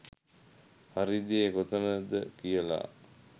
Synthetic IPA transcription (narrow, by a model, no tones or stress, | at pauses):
haɾid̪eeɡot̪ənəd̪əkijəla̰